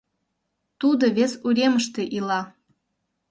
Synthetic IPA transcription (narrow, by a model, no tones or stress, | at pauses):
t̪ud̪oβesuɾʲeməʃt̪ĕʔilɑ